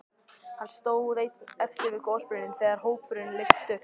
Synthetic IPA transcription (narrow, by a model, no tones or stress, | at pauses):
hanst̪oːwðejt̪ɛft̪ɪɾvɪðkoːwspʏnɪnθɛːɣaɾ̥ɦoːwpʏɾɪnlɪst̪ʏ